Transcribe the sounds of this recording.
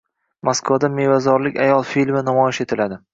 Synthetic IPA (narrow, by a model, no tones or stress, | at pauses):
maskvad̪amevazɒɾlɪkʲajɒlˠfilmɪnamɒjɪʃe̞t̪ʰɪlad̪ɪ